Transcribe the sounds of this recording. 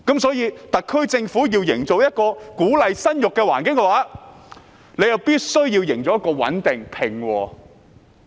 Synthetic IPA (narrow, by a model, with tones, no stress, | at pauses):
kɐ˨˥msɔː˨˥jiː˧t̪ɐ˨kʰːɵ˥ɥt͡sɪ˧ŋfuː˨˥jiː˧wjɪ˨˩ŋt͡so˨wjɐ˥t̚kɔː˧kuː˨˥lɐ˨jsɐ˥njʊ˨kːɛː˧waː˨˩nkɪ˨˥ŋkɛ˧waː˨˥ | ne˨˧jɐ˨wpiː˥t̚sɵ˥ɥji˧wjɪ˨˩ŋt͡sɔː˨˦jɐ˥kɔː˧wɐ̰˨˥nt̪ɪ˨ŋpʰɪ˨˩ŋwɔː˧